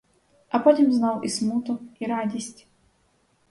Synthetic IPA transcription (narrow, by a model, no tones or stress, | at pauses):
ɐpɔt̪ʲimznalismut̪ʊiɾad̪ʲisʲtʲ